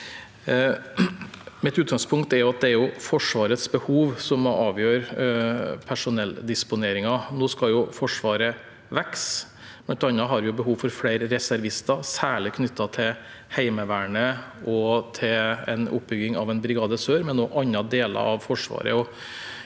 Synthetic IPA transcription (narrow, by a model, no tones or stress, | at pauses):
mɪt̪ʉːt̪̚ɡɑŋspʰʊŋkt̪ɛɾjʊɑt̪̚d̪ɛæɾjʊfɔʂʋɑːɾət̪sbəhuːʋsɔmɔɑːʋjøːɾ | pʰæʂʊnɛld̪ɪspʊneːɾɪŋɑnoːskɑljʊfɔʂʋɑːɾə | ʋɛks | mɛnt̪ɑnːɑɦɑɾjʊbəɦuːʋfɔɾfleɪɾɾɛsæɾʋɪst̪ɑsæːɭɪkʰnʏt̪ːɑt̪ʰɪl | hæɪməʋæːɳəɔt̪ʰɪlɛ̰nʊ̰p̚bʏɡɪŋɑ̰ʋɛnbɾɪɡɑːd̪əsøːɾmɛnːoːʔɑnːɑd̪eːlɑ̰ɾɑʋfɔʂʋɑ̰ːɾə̰ɔ